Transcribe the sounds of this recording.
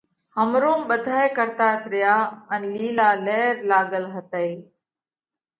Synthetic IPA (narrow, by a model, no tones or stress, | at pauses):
həmɾoːmɓəd̪ʱaːekəɾt̪aːt̪ɾɪjaːənliːlaːlɛːɾlaːɠəlɦət̪əiː